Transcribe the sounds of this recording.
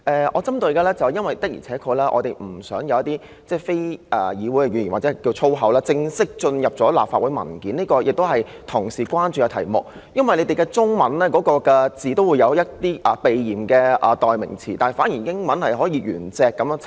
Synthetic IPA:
ʔɛː˨ʔɔ̰ː˨˧t͡sɐ˥mt̪ɵ˧ɥkɛː˧lɛː˥t͡sɐ˨wjɐ˥nwɐ˨jt̪ɐ˥k̚jḭ˨˩t͡sʰɛː˨˥kʰɔ˧lɛː˥ʔɔ̰ː˨˧t̪e˨jm̩˨˩sœː˨˥ŋjɐ˨˧wjɐ˥t̪iː˥ | t͡sɛː˥˩fe˥jʔɛ˨˩jiː˨˧wu˨˥jkɛ˧ɥy˨˧nji˨˩nwaː˨˩t͡sɛ˨˦˥kiː˧wt͡sʰo˥wɦɐ˨˥wlaː˥t͡sɪ˧ŋsɪ˥k̚t͡ʃɵ˧njɐ˨p̚t͡sɔː˨˥laː˨pfaː˧t̚wu˨˥jmɐ̰˨˩nkiː˨˥niː˥kɔː˧jɪ˨k̚t̪o˥whɐ˨j | t̪ʰʊ˨˩ŋsiː˨˩kʷaː˥nt͡ʃy˨jɐ˨˧wt̪ʰɐ̰˨˩jmʊ˨k̚ | jɐ˥nwɐ˨jle˨˧jt̪e˨jkɛː˧t͡sʊ˥ŋmɐ˨˥nlɛː˥kɔː˨˥kɔː˧kɛː˧t͡siː˨˩t̪o˥wu˨˧jɐ˨˧wjɐ˥tt̪iː˥ʔɐ˨pe˨jjiː˨˩mkɛː˧ʔɛ˨t̪ɔː˨jmɪ̰˨˩ŋt͡sʰḭː˨˩t̪aː˨nhɐ˨˩faː˨˥nji˨˩jɪ˥ŋmɐ˨˦nhɐ˨jɦɔː˨˥jiː˨˧ɥyː˨˩nt͡sɛː˨˧kːɐ˨˥m˧

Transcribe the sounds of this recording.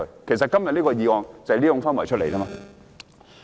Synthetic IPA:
kʰe˨˩js̬ɐ˨t̚kɐ˥mjɐ˨t̚liː˦˥kɔː˧jiː˨˧wɔː˨ŋt͡sɐ˨liː˥jʊ˧˥ŋfaː˥nmɔː˨˩t͡ʃʰɵ˥t̚le˨˩jtiː˥maː˧

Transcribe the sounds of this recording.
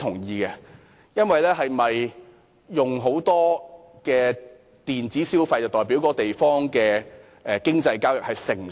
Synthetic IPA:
t̪ʰʊ˨˩ŋjiː˨˧kɛ˧ | jɐ˥nwɐ˨jlɛː˥ɦɐ˨jmɐ˨j | jʊ˨ŋɦo˨˥wt̪ɔː˥ | kɛː˧ | t̪iː˨nt͡siː˨˥siː˥wfɐ˧jt͡sɐ˨wt̪ɔː˨jp̬iː˨˥wkɔː˧t̪e˨jfɔː˥ŋkɛː˧ | ʔɛː˨˧kɪ˥ŋt͡sɐ˧jkaː˥wjʊ˨k̚hɐ˨jsɪ˨˩ŋ

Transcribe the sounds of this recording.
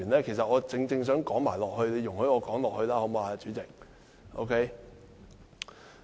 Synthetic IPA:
y˨˩nlɛː˥kʰe˨˩js̬ɐ˨t̚ʔɔː˨˧t͡sɪ˧ŋt͡sɪ˧ŋs̬œː˨˥ŋkɔː˨˥ŋma̰ː˨˩jlɔː˨k̚hɵ˧ɥle˨˧jʊ˨˩ŋhɵ˨˧˥jɔː˨˧kɔː˨˥ŋlɔː˨k̚hɵ˧ɥlaː˥ho˨˧˥mo˧a˨˧t͡ʃyː˨˥t͡sɪ˨k̚ | ʔo̰˧˥wkʰe˥j

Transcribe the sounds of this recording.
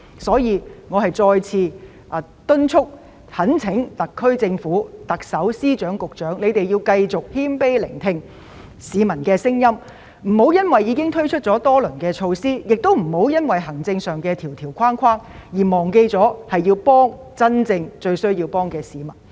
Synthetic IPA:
sɔː˨˥jiː˨˧ŋɔː˨˧hɐ˨jt͡sɔː˧jt͡sʰiː˧˨˧ | t̪ɵ˥nt͡ʃʰʊ˥k̚ | hɐ˨˥nt͡sʰɪ˨˥ŋt̪ɐ˨kʰːɵ˥ɥt͡sɪ˧ŋfuː˨˥t̪ɐ˨k̚sɐ˨˥wsiː˥t͡ʃœː˨˥ŋkʊ˨k̚t͡ʃœː˨˥ŋle˨˧jt̪e˨jiː˧wkɐ˧jt͡sʊ˨k̚hiː˥mpe˥jlɪ̰˨˩ŋt̪ʰɪ˧ŋ | siː˨˧mɐ˨˩nkɛː˧sɪ˥ŋjɐ˥m | m̩˨˩ho˨˥wjɐ˥nwɐ˨jːiː˨˧kɪ˥ŋt̪ʰɵ˥ɥt͡ʃʰɵ˥t̚t͡ʃɔː˨˥t̪ɔː˥lɵ˨˩nkɛː˧t͡ʃʰo˧wsiː˥jɪ˨k̚t̪o˥wm̩˨˩ho˨˥wjɐ˥nwɐ˨˩jɦɐ˨˩ŋt͡sɪ˧ŋsœː˨ŋkɛː˧t̪ʰiː˨˩wt̪ʰiː˨˩wkʰwaː˥nkʷʰwaː˥ŋ | jiː˨˩mɔː˨˩ŋke˧jt͡sɔː˨˥hɐ˨jːiː˧wpɔː˥ŋ | t͡sɐ˥nt͡sɪ˧ŋt͡ʃɵ˧ɥsɵ˥ɥjiː˧wpɔː˥ŋkɛː˧siː˨˧mɐ˨˩n

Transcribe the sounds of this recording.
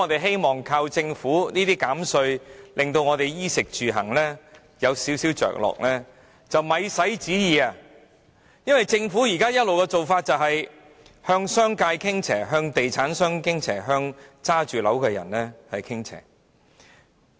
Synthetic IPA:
ɔː˧t̪e˨jɦe˥jmɔː˨˩ŋkʰaː˧wt͡sɪ˧ŋfuː˨˥niː˥t̪iː˥kaː˨˥msɵ˧ɥlʔɪ˨ŋt̪̬o˧wŋɔː˨˧t̪e˨jjiː˥sɪ˨k̚t͡ʃyː˨ɦɐ̰˨˩ŋlɛː˥ | jɐ˨˧wsiː˨˥wsi˨˥wt͡ʃœ̰ː˨˩k̚lɔ̰ː˨k̚lɛː˥ | t͡sɐ˨wmɐ˨˧jsɐ˨˥jt͡siː˨˥jiː˨a˨˧ | jɐ˥nwɐ˨jt͡sɪ˧ŋfuː˨˥jiː˨˩kaː˥jɐ˥t̚lo˨wkɛː˧t͡so˨wfaː˧t̚t͡sɐ˨wɦɐ˨j | hœː˧ŋsœː˥ŋkaː˧jkʰɪ˥ŋt͡sʰɛː˨˩ɦœː˧ŋt̪e˨jt͡sʰaː˨˥nsœː˥ŋkɪ˥ŋt͡sʰɛː˨˩ɦœː˧ŋt͡saː˥t͡ʃyː˨lɐ˨˥wkɛː˧jɐ̰˨˩nlɛː˥hɐ˨jkʰɪ˥ŋt͡sʰɛ̰ː˨˩

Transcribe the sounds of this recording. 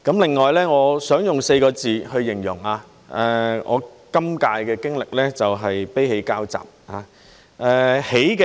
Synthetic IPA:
kɐ˨˥mlɪ˨ŋːɔː˨jlɛː˥ŋɔː˨˧sœː˨˥ŋjʊ˨ŋse˧jkɔː˧t͡siː˨hɵ˧ɥjɪ˨˩ŋjʊ̰˨˩ŋaː˧ | ʔɛː˧ŋɔ̰ː˨˧kɐ˥mkaː˧jkɛː˧kɪ˥ŋlɪ˨k̚lɛː˥t͡sɐ˨wɦɐ˨jpe˥jhe˨˧˥jkaː˥wt͡sa̰ː˨˩p̚haː˨˧˦ | ʔɛː˧he˨˥jkɛ˧

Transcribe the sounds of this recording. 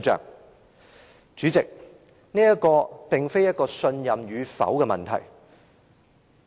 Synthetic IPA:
t͡ʃœ̰ː˨k̚ | t͡ʃyː˨˥t͡sɪ˨k̚ | niː˥jɐ˥t̚kɔː˧pɪ˨ŋfe˥jɐ˥t̚kɔː˧sɵ˧njɐ˨mjyː˨˧fɐ̰˨˥wkɛː˧mɐ̰˨nt̪ʰɐ̰˨˩j

